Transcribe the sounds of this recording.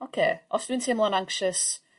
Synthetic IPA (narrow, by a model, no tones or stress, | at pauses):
okʰeːʔafsĩntʰẽmlˠə̃nãŋkʃəs